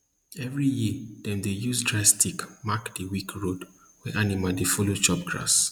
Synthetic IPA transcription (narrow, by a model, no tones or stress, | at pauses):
ɛvɹijid̥ɛ̃ndejuzdɹastʰikmakd̥iwikʰɹod | wɛʔanimadefɔlot͡ʃɔp̚ɡ̥ɹa̰s